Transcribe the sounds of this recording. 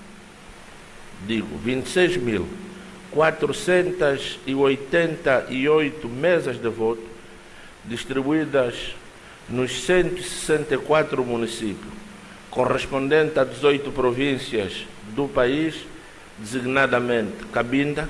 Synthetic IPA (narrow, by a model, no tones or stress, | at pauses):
d̪iɣṵvĩnt̪sejzmil | kwat̪ɾusẽnt̪ɐziojt̪ẽnt̪ɐʔiojt̪umezɐzd̪evɔt̪u̥ | d̪iʃt̪ɾiβuiðɐz | nʊʃsẽnt̪uise̥sẽnt̪ɐikwat̪ɾumunisipju | koʁeʃpõnd̪ẽnt̪ad̪ezojt̪upɾovĩsjɐz | d̪upaiʃ | d̪eziɡnad̪ɐmẽnt̪ɪ̥kabĩnd̪ɐ